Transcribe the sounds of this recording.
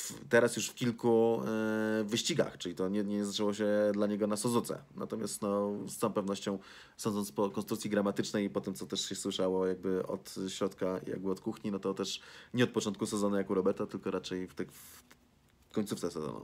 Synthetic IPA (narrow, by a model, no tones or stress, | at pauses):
ft̪ɛɾasjuʂfkʲilku | vɘɕt͡ɕiɡa̰xt͡ʂɘlʲit̪ɔɲɛɲɛzat͡ʂɛwɔɕ̬ɛd̪laɲɛɡɔnasɔzut̪sɛ̰na̰t̪ɔmʲjast̪nɔst̪sɔ̃w̃pɛvnɔɕt͡ɕɔ̃w̃ | sɔnd̪ɔntspɔkɔnst̪ɾukt̪sʲiɡɾamat̪ɘt͡ʂnɛjpɔt̪ɛmt̪sɔt̪ɛʂɕɛswɘʂawɔjaɡ̚bɘɔ̰t̪ɕɾɔt̪ka̰ja̰ɡ̚bɘɔt̪kuxɲinɔt̪ɔt̪ɛʂɲɛɔt̪̚pɔt͡ʂɔnt̪̚kusɛzɔnujakuɾɔbɛɾt̪at̪ɘlkɔɾat͡ʂɛjft̪ɛf | kɔɲʲt̪suft̪sɛsɛzɔ̰nṵ